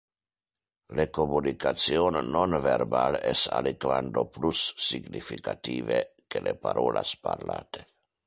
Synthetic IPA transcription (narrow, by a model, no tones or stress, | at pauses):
lekomunikat̪sionːonveɾbalɛsalikvand̪oplusːiɡnifikat̪iːvekelepaɾʔoːlʔaspaɾlaːt̪e̥